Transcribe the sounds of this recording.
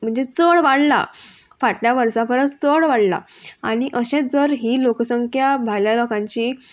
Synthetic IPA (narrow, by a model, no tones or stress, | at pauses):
m̤əɳd͡zet͡səɭʋaɽla̰ | faʈljaʋəɾsãpəɾət͡st͡səɽʋaɽla̰a̰ɽ̃iʔəɕẽt̪̚d͡zəɾɦiːloksəŋkʰjabʱajljalokãɲt͡ɕiː